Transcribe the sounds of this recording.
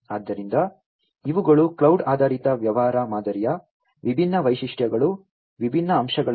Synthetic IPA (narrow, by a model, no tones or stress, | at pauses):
aːd̪ːɐɾind̪ɐ | iʋuɡɐɭuklɐwɖaːd̪ʱaːɾit̪ɐʋjɐʋaːɾaːmaːd̪ɐɾijɐ | ʋibʱinːɐʋɐjʃiʂʈjɐɡɐɭu | ʋibʱinːɐːmʃɐɡɐɭ